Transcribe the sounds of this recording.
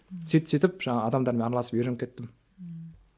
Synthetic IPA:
sʰit̪t͡ʃʰet̪ɪpʒɑŋɑːd̪ɑmd̪ɑɾmeɑɾlˠɑsə̥pjeɾeŋkʲʰet̪ːɪm

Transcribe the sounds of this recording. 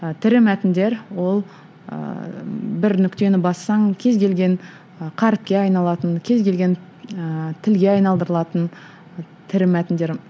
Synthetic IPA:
t̪ʰɪɾɪmæt̪ɪnd̪e̞ɾwo̞lˠ | ə̰ | bɪɾnʏkʲt̪e̞nɪbɑsːɑŋkʲʰe̞zɡʲʰe̞lɡʲe̞n | qʰɑɾɪp̚kʲe̞ɑjnɑlˠɑt̪ənkʲʰe̞zɡʲe̞lɡʲe̞n | t̪ʰɪlɡʲe̞ɑjnɑlˠd̪əɾəlˠɑt̪ən | t̪ʰɪɾɪmæt̪ɪnd̪e̞ɾ

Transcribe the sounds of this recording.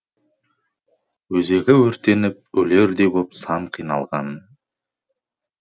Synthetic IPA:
wɵze̞ɡʲɪwɵɾt̪e̞nɪp̚ɵle̞ɾd̪e̞bopsɑɴqʰijnɑlˠʁɑn

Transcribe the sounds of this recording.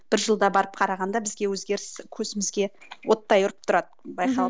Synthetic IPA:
b̥ɪɾʒəlˠd̪ɑbɑɾəp̚qʰɑɾɑʁɑnd̪ɑbɪzɡʲe̞wɵzɡʲe̞ɾɪskʲʰɵzɪmɪzɡʲe̞ | wo̞t̪ːɑjʊɾəp̚t̪ʰʊɾɑd̪əbɑjqʰɑ

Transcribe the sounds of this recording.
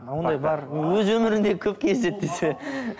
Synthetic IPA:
wond̪ɑjbɑɾwɵzwɵmɪɾɪnd̪e̞kʲʰɵp̚kʲʰe̞zd̪e̞t̪̚d̪ese

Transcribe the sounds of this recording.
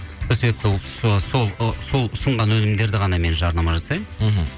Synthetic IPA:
osebe̞p̚t̪ɪwso̞lˠso̞lˠʊsəɴʁɑnwɵnɪmd̪e̞ɾd̪ɪʁɑnɑme̞nʒɑɾnɑmɑʒɑsɑjmɦ̩

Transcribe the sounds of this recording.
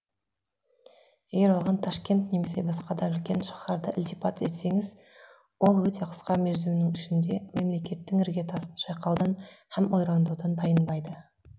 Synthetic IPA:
jeɡʲe̞ɾwolˠʁɑnt̪ʰɑʃkʲe̞nt̪ne̞me̞se̞bɑsqɑd̪ɑbɪlkʲe̞nʃɑ̥χɑɾd̪əʔɪlt̪ipʰɑt̪e̞t̪se̞ŋɪz | wo̞lˠwɵt̪ʰe̞qʰə̥sqɑme̞ɾzɪmnɪŋʏʃɪnd̪e̞me̞mle̞kʲe̞t̪ːɪŋɪɾɡʲe̞t̪ʰɑsənʃɑjqɑwd̪ɑnhæmo̞jɾɑnd̪uwd̪ɑnd̪ʰɑjənbɑjd̪ə

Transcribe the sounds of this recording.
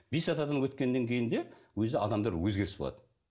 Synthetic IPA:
bisɑt̪ɑd̪ɑnwɵt̪kʲe̞nːeŋkʲʰe̞jɪnd̪e̞wɵzɪɑ̰d̪ɑmd̪ɑɾwɵzɡʲe̞ɾɪsbo̰ɑ̰d̪ən

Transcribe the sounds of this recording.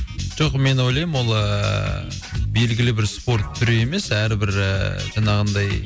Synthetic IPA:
ʒ̥oqme̞no̞jlˠɑjɪmwo̞lˠə | be̞lɡʲɪlɪbɪɾspo̞ɾt̪ʰːʏɾee̞me̞sæɾɪbɪɾ̰ʒɑɴɑʁənd̪ɑj

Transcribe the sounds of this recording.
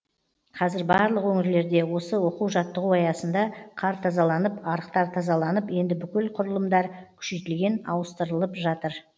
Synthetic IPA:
qʰɑzɪɾbɑɾlˠəqwɵŋɪɾle̞ɾd̪e̞wo̞səwo̞quwʒɑt̪ːəʁuɑjɑsənd̪ɑqʰɑɾt̪ʰɑzɑlˠɑnəpɑɾəqt̪ɑɾt̪ʰɑzɑlˠɑnəpje̞nd̪ɪbʏkʲɪlqʰʊɾəlˠəmd̪ɑɾkʲʰʏ̥ʃe̞jt̪ɪlɡʲe̞nɑ̰wəst̪əɾəlˠəpʒɑt̪əɾ

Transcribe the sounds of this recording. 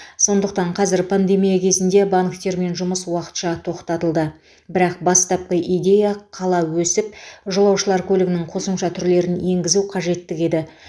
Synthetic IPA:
so̞nd̪əqt̪ɑɴqʰɑzɪɾpʰand̪e̞mijakʲʰe̞zɪnd̪e̞baŋkt̪e̞ɾme̞nʒʊməswɑqə̥t̪ʃɑt̪ʰo̞qt̪ɑt̪əlˠd̪ə | bɪɾɑq̚bɑst̪ɑp̚qəʔijd̪ʲe̞jaqʰɑlˠɑwɵsɪp̚ʒolˠɑwʃəlˠɑɾkʲʰɵlɪɡʲɪnɪŋqʰo̞səmʃɑt̪ʰʏɾle̞ɾɪnje̞ŋɡʲɪzuwqʰɑʒe̞t̪ːɪke̞d̪ɪ

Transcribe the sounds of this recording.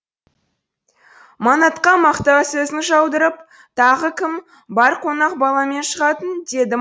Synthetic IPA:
mɑnɑt̪qɑmɑqt̪ɑsɵzɪŋʒɑwd̪əɾəp̚ | t̪ʰɑʁəkʲɪm | bɑɾqʰo̞nɑq̚bɑlˠɑme̞nʃəʁɑt̪ənd̪e̞d̪ɪ

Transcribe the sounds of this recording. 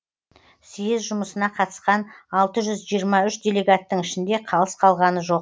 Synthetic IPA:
sijɪzʒʊməsənɑqʰɑt̪ə̥sqɑnɑlˠt̪əʒʏzʒijəɾmɑʏʃd̪ʲe̞le̞ɡat̪ːəɴɪʃɪnd̪e̞qʰɑlˠəsqʰɑlˠʁɑnəʒo̞q

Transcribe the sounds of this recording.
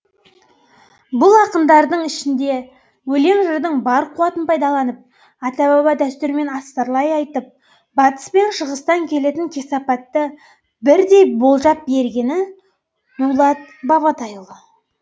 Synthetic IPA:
bʊlˠɑqənd̪ɑɾd̪əɴɪʃɪnd̪e̞ | wɵle̞ŋʒəɾd̪əɴbɑɾqʰuwɑt̪ənpʰɑjd̪ɑlˠɑnəp̚ | ɑt̪ɑbɑβɑd̪æst̪ʏɾme̞nɑst̪ɑɾlˠɑjɑjt̪əp̚ | bɑt̪ə̥spe̞nʃəʁəst̪ɑŋkʲʰe̞le̞t̪ɪŋkʲʰe̞sɑpɑt̪ːə | bɪɾd̪e̞jbo̞lˠʒɑp̚be̞ɾɡʲe̞nɪ | nulˠɑt̪̚bɑβɑt̪ɑjəlˠə

